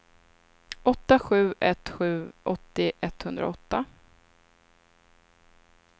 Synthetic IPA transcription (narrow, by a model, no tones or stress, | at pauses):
ɔt̪ːaɧʉ̟ːʔɛt̪ːɧʉ̟ːʔɔt̪ːɪʔɛt̪hɵnd̪ɾa̰ɔt̪ːa